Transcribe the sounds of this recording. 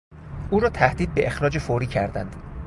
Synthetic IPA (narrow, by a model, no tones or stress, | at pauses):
ʔuːɾɒːt̪ʰæhd̪iːd̪̚be̞ʔexɾɒːd͡ʒe̞foɾiːcʰæɾd̪æ̰nd̪̥